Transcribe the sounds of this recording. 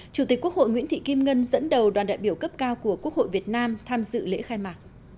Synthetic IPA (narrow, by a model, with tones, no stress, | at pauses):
t͡ɕu˧˩t̪i˨˩k̟̚ku˦˥əkho̰˧˨jŋw̰ənt̪ʰḭ˧˨ki˧mŋə˧nzə̰˧˥nɗə˨˩wɗwaː˨˩nɗa̰ː˧˨jɓi˧˩əwkə˦˥p̚kaː˧wku˧˩əku˦˥ək̚ho̰˧˨jvi˨˩ət̚naː˧mt̪ʰaː˧mzɨ̰˧˨lḛ˧˥xaː˧jmaː˨˩t̚